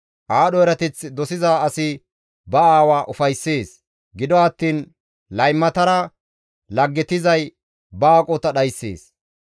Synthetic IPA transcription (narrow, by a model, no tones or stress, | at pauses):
ʔaːɗɔɛɾɐt̪ɪt͡sd̪ɔsɪzaːɐsɪ | bɐaːwaːʔʊfɐjsːeːs | ɡɪd̪ɔɐt̪ːiːn | lɐjmːɐt̪ɐɾɐ | lɐɡːɛt̪ɪzɐj | baːkʼot̪ɐɗɐjsːḛːs